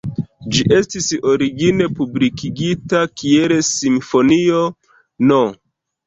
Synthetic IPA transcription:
d͡ʒiʔe̞stiso̞ɾiɡine̞publikiɡitakielesimfo̞nio̞ | no

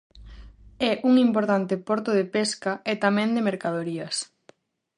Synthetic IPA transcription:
ɛʔuŋimpoɾt̪ant̪ɪpoɾt̪ʊð̞epeskɐet̪amɛ̃nd̪ɪmeɾkaðoɾiɐs

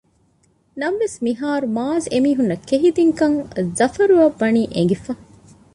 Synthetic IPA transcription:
nɐmʋesmiɦaːɾumaːzemiːɦunːɐkeɦid̪iŋkɐŋzɐfɐɾuɐʋːɐniːʔḛŋ̆ɡifɐ

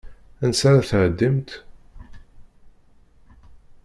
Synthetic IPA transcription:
ænsaɾaθʕəd̪ːimt̪

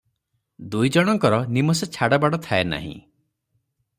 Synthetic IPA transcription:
d̪ujd͡ʒɔɽ̃ɔŋkɔɾɔnimɔset͡ʃʰaɽabaɽɔt̪ʰaena̰ɦḭ̃

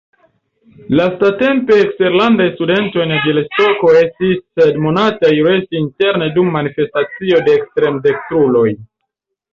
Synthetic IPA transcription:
lastate̞mpe̞ːkste̞ɾlandajstude̞nto̞jneɡilespo̞ko̞e̞stisːedmonatajuɾe̞stiinte̞ɾnedumːanife̞stat͡sio̞de̞ːkstɾe̞mde̞k̚tɾulo̞j

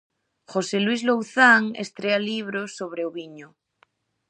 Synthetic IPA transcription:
χoselwizlowθaŋḛst̪ɾealiβ̞ɾosːoβɾeoβiɲo

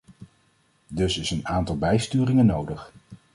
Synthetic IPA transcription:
dɵsɪsənaːntɑlˠbɛjstyːrɪŋənːowdəχ

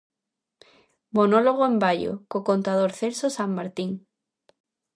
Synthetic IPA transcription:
monoloɣoembaʎo̰kokont̪aðoɾθelsosammaɾt̪iŋ

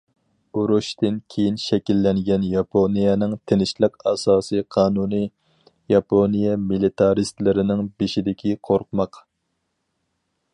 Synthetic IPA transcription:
uɾuʃt̪ɪnkʲʰejinʃɛkʲilːɛŋɡʲɛnjɑpʰonijɛnɪŋt̪ʰenɪʃlˠɨqɑsɑːsɨjqʰɑːnunɨ | jɑponijɛmilit̪ʰɑɾist̪lɪɾɪnɪŋbeʃid̪ɪkʲʰiqʰoɾqʰʊmɑq

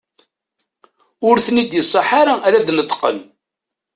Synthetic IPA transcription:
ʊɾθnid̪jəsˤːɑħaɾaæɾæd̪nət̪ˤːqə̰n

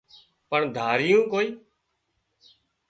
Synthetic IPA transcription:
pəɳd̪ʱaːɾɪjũːkoːiː

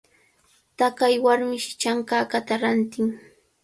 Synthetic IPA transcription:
t̪akajwaɾmɪʃɪ̥t͡ʃaŋkaːkat̪aɾant̪ɪŋ

